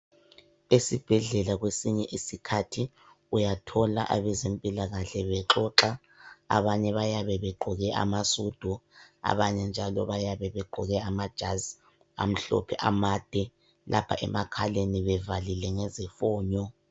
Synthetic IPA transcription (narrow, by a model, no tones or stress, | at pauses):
esib̥ʱɛɮɛlaɣwesiɲɛʔisikʰatʰi | ujatʰɔla̰ʔaβɛzempʼilaɣaɬɛβɛǁɔǁa | a̰βaɲɛβajaβɛβɛɡ͡ǃʱɔɣɛʔa̰masud̥ʱua̰βaɲɛnd͡ʒʱalɔ̰βajaβɛβɛɡ͡ǃʱɔɣɛamad̥ʒ̥ʱaz | a̰m̩ɬɔ̰pʰɛʔamad̥ʱɛ | lʔapʰa̰ʔɛ̰makʰaleniβɛvalilɛŋɛzɛfɔːɲɔ